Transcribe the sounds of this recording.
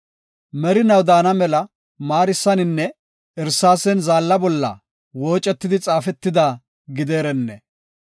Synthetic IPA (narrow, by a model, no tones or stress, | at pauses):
mɛɾɪnɐwd̪aːnɐmɛlɐ | maːɾɪsːɐnɪnːɛ | ɛɾsːaːsɛnzaːlːɐbɔlːɐ̰ | woːt͡ʃʼːɛt̪ːɪd̪ɪt͡sʼaːfɛt̪ːɪd̪aː | ɡɪd̪eːɾɛnːɛ